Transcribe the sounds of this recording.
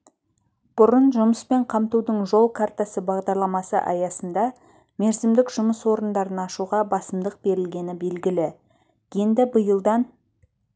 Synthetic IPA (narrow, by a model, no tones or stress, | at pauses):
b̥ʊɾənʒʊməspe̞ɴqʰɑmt̪ud̪əɴʒo̞lˠkʰart̪asəbɑʁd̪ɑɾlˠɑmɑsə̰ʔɑ̰jɑsənd̪ɑ | me̞ɾzɪmd̪ɪkʒʊməswo̞ɾənd̪ɑɾənɑʃuʁɑbɑsəmd̪əq̚b̥e̞ɾɪlɡʲe̞nɪbe̞lɡʲɪlɪ | je̞nd̪ɪbəjəlˠd̪ɑn